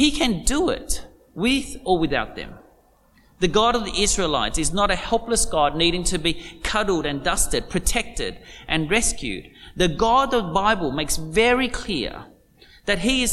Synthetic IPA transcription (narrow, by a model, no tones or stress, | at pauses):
hikʰɨ̃ndəɪ̰t | wɪðə˞wɨðaʊt̪̚ðɨ̰̃m | ðɨɡɑɾʌvðiʔɪzɹila̰ɪtɨznəɾɨhɛlˠpləsɡ̥ɑdⁿniɾɪ̃ŋtʰɨbikʰʌɾl̩ˠɾɨ̃ndʌstɨd̚pʰɹ̥ɨtʰɛk̚tɪ̰ɾʔɨ̃nɹɛskjʉ̰d̪̚ðɨɡɑd̪̚ðəðəbaɪbl̩ˠmeɪksvɛɹikʰl̥ɪ̰ɹ | ðɨt̚ɦiɪz̥